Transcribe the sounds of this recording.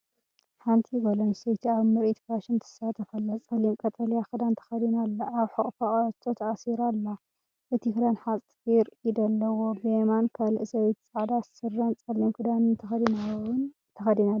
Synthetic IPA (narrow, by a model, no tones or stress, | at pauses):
ħant̪ʰibɐlɐnsɐjt̪ʰiaβmɨɾʔit̪ʰkaʃɨnt̪ʰɨ̥sat̪ʰɐfɐlːɐt͡sʼɐlimkʼɐt̪ʼɐlijaxɨd̪ant̪ʰɐ̥xɐd̪inalːɐaβħɨkʼfaʔʼɐt̪ʰot̪ʰɐʔasiɾalːa | ʔɨt̪ʰikɨlanħasʼfiɾid̪ɐlːɐwobemankʰalɨʔsɐwt̪t͡sʼaʕd̪asɨrːɐnt͡sʼɐlimkʰɨd̪anɨnt̪ʰɐd̪ina | t̪ʰɐxɐd̪ina